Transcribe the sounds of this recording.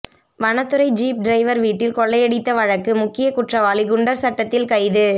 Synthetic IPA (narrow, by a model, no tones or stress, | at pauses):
ʋɐnɐt̪ːɯɾɐɪd͡ʒiːp̚ɖɾɐɪʋɐɾʋiːʈːɪlkɔɭːɐjɛɽɪt̪ːɐʋɐɻɐkːɯmʊkːɪjɐkʊʈrɐʋaːlɪɡɯɳɖɐɾsɐʈːɐt̪ːɪlkɐɪðɯ